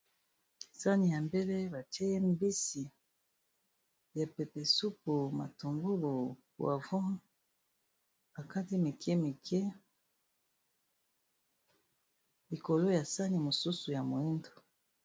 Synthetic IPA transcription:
sa˦ni˨ja˨mbe˦le˦ba˨tɛ˦e˦m˦bi˦si˨ | ja˨pe˨pe˨su˦pu˨ma˨to˨ŋɡu˦lo˨ | a̰˨vɔ˦ | b̥a˨ka˦ti˦mi˨kʰɛ˦mi˨kʰɛ˦ | li˨ko˨lo˦ja˨sa˦ni˨mo˨su˦su˨ja˨mo˨e˦ndo˨

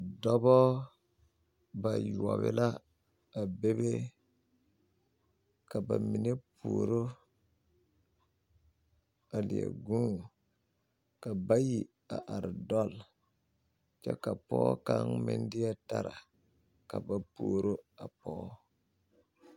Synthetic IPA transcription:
dɔ˦bɔ˦ | ba˨ju˨a˨βɪ̰˦la˦ | a˨be˦be˦ | ka˨ba̰˨mi˨ne˦pʰu˨ɾo˦ | a˨lɪ̰˨a̰˨ɡũ˦ | ka˨ba˦ji˨ | a˨ʔa˨ɾɪ˨dɔ˦l | t͡ʃɛ̰˦ka˨pɔː˦ka˦ŋmɪ̰˦ndɪ˦a˦ta˦ɾa˨ | ka˨ba˨puː˨ɾo˦a˨pɔː˦

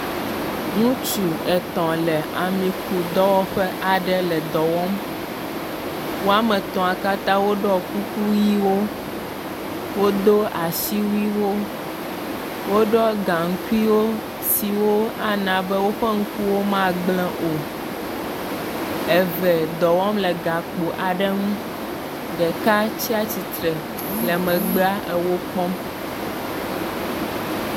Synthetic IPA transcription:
ŋũ˦t͡ʃu˨ɛ˨t̪ɔ̃˨lɛ˨a˨mĩ˨ku˨d̪ɔ˦wɔ˦ɸɛ˦ʔa˨ɖɛ˦lɛ˨d̪ɔ˨wɔ˦m | wo˦a˦mɛ̃˨t̪ɔ̃˨a˨ka˦t̪ã˦wo˦ɖɔ˦ku˦ku˦ji˦wo˦ | wo˦d̪o˦a˨si˦wu˦i˦wo˦ | wo˦ɖɔ˦ɡã˨ŋ̩˦ku˦i˦wo˦ | si˨wo˦a˦nã˨bɛ˦wo˦ɸɛ˦ŋ̩˦ku˦wo˦mã˦ɡ͡blɛ̃˦˨ʔo˨ | ɛ˨vɛ˨d̪ɔ˨wɔ˦mlɛ˨ɡa˨k͡po˨ʔa˨ɖɛ˦ŋũ˦ | ɖɛ˨ka˦t͡ɕi˦a˦t͡ɕi˨t̪ɾɛ˨ | lɛ˨mɛ̃˨ɡ͡ba˦ʔɛ˦wo˦k͡pɔ˦m

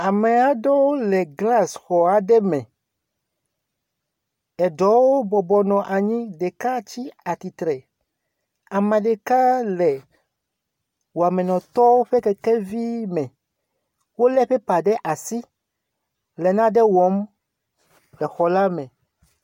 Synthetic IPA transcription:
a˨mɛ˨a˨ɖɔ˦wo˦lɛ˨ɡla˦sxɔ˨a˨ɖɛ˦mɛ̃˨ | ɛ˨ɖɔ˨˦wo˦bɔ˨bɔ˨nɔ̃˨ʔa˨ɲĩ˦ɖe˨ka˦t͡ɕi˦a˨t̪i˨t̪ɾɛ˨ | a˨mã˨ɖe˨ka˦lɛ˨ | wo˨a˨mɛ̃˨nɔ̃˨t̪ɔ˦wo˦ɸɛ˦kɛ˦kɛ˦vi˦mɛ̃˨ | wo˦lɛ˦ɸɛ˦pa˨ɖɛ˦ʔa˨si˦ | lɛ˨nã˦ɖɛ˦wɔ˨˦m | lɛ˨xɔ˨la˦mɛ̃˨

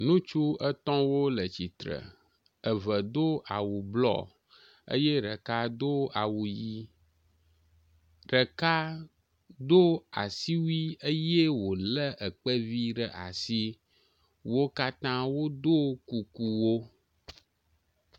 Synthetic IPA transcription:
nũ˦t͡ʃu˦ə˦t̪ɔ̃˦wo˦lə˨t͡ɕi˨t̪ɾə̰˨ | ə˨və˨d̪o˦ʔa˨wu˨blɔ̰˦˨ | ə̰˦je˦ɖə˨ka˦d̪o˦a˨wu˨ji˦ | ɖə˨ka˦ | d̪o˦a̰˨si˦wi˦ə˦je˦wo˨lə˦ʔə˨k͡pə˦vi˦ɖə˨ʔa̰˨si˦ | wo˦ka˦t̪ã˦wo˦d̪o˦ku˨ku˨wo˦

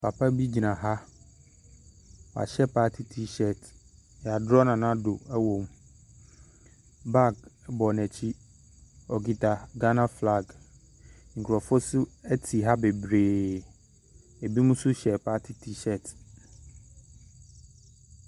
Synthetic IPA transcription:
pʰa˨pʰa˦bi˦d͡ʑi˨nã˨ɦa˦ | wa̰˨ɕɛ˦pʰaː˦tʰi˦tʰi˦ɕɛ˨t | ja˨dɾɔ˦nã˨nã˦do˨ɛ˦wõ˨m | ba˦˨ɡbɔ˨nɛ̃˨t͡ɕʰi˦ | ɔ˨ɡi˨tʰa˨ɡa˦nã˦fla˦˨ɡ | ŋ̩˨kʰɾɔ˨fɔ˦sʊ˦ɛ˦tʰi˨ɦa˦be˨bɾeː˨ | e˨bi˦mũ˦sʊ˦ɕɛ˨pʰa˦tʰi˦tʰi˦ʃɛ˨t

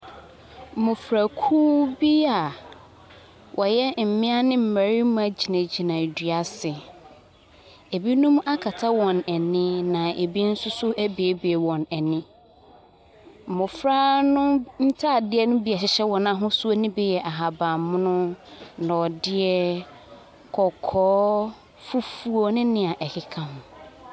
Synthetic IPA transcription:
mʊ̃˨fɾa˨kʰuː˦bi˦a˨ | wʔɔ˨jɛ˦m̩˨mɪ̃˦a˦nɪ̃˦m̩˨mæ˨ɾi˦mʊ̃˦æ˨d͡ʑi˨nã˨d͡ʑi˨nã˨dɥa˨sɪ˨ | e˨bi˦nʊ̃˦m˦ʔa˦kʰa˨tʰa˦wɔ̃˨næ˨nɪ̃˦nã˨ʔe˨bi˦n̩˦sʊ˦sʊ˦ʔæ˦be˨˦be˨wɔ̃˨næ˨nɪ̃˦ | m̩˨mʊ̃˨fɾaː˦nʊ̃˦n̩˦tʰa˦˨dɪ˦ɛ˦nʊ̃˦bi˨ɛ˨ɕɪ˨ɕɛ˦wɔ̃˨nã˨ɦʊ̃˦su˦o˦nɪ̃˦bɛ˦jɛ˨ʔa˨ɦa˨bã˨mʊ̃˦nʊ̃˦nã˨ɔ˨dɪ˦ɛ˦ | kʰɔ˨kʰɔː˦ | fu˦fu˦o˦nɪ̃˦nɪ̃˦a˨ʔɛ˨hɪ˦kʰã˨ɦʊ̃˨

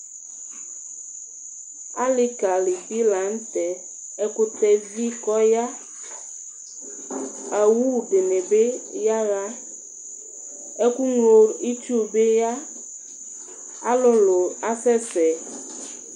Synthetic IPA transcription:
a˦lɪ˦ka˨lɪ˨bi˦la˨˦n̩˦t̪ɛ˨ | ɛ˦kʊ˦t̪ɛ˨vi˦kɔ˦ja˦ | a˨wu˦˨dɪ˨nɪ˨be˦ja˦ɣa˦ | ɛ˦ku˦ŋlo˨ɾi˦tu˦˨be˦ja˦ | a˦lʊ˦lʊ˨a˦fɛ˦fɛ˨

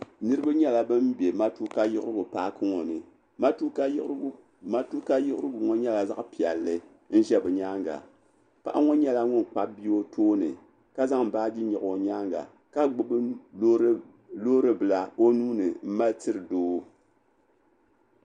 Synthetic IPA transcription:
nɨ˦ɾɨ˦ba˦ɲɛ˦la˨bɨ˦mbje˨ma˦tu˦ka˦jɪ˦ʔʊ˦ɾɨ˦ɡʊ˨paː˦kɨ˦ŋo˨nɨ˨ | ma˦tu˦k | a˦tu˦ka˦jɪ˦ʔʊ˦ɾɨ˦ɡʊ˨ŋo˦ɲɛ˦la˨za̰˦ʔpi˨ɛ˨lːɨ˦ | n̩˦ʒɛ˦bɨ˨ɲa˦ŋɡa̰˨ | pa̰˨ʔa˦ŋo˦ɲɛ˦la˦ŋʊ˦n˨k͡pa˦bi˦o˦tʰoː˦nɨ̰˨ | ka˦za˦ŋm̩˨baː˦di˦ɲɛ˨ʔo˨ɲa˦ŋɡa̰˨ | ka˦ɡ͡bɨ˦b | loː˦ɾɨ˦bɨ˨la˨o˦nuː˦nɨ˨m̩˦ma˦ltɨ˦ɾɨ˨doː˦

